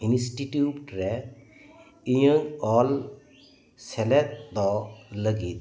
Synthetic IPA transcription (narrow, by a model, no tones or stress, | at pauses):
insʈiʈuupʈɾɛ | ijəŋɔl | sɛlɛt̪̚d̪ɔləɡit̪̚